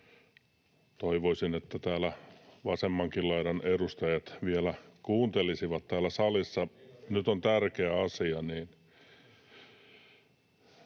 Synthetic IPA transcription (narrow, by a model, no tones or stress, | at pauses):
t̪oiʋoisinet̪ːæt̪æːlæʋɑsemːɑŋkillɑiɾɑnerust̪ɑjɑt̪ʋielækuːnt̪elisiʋɑt̪t̪æːlːˑæsɑlisːɑnyt̪ont̪ærkeæɑsiɑniːn